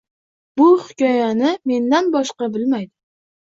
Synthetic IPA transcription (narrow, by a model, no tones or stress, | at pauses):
b̥ʊhɪkʲɒjanɪme̞nd̪anbɒʃqɑbɪlmajd̪ɪ